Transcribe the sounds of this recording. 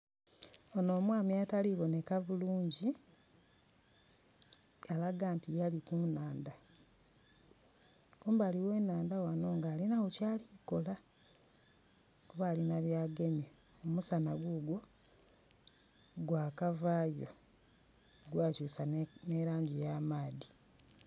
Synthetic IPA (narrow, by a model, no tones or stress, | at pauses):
ono̞ːmwaːmjataliβo̞ne̞kavuluːɲɟi | alaɡaːntijalikunaːnda | kuːmbaːliwe̞ːnaːndawano̞ːŋɡaːlinawocaːliko̞la | kuβalinaβjaːɡe̞mje | omusanaɡuɡwo̞ | ɡwaːkavaːjo̞̰ | ɡwaːcuːsaneɾaːɲɟijaːmaːdi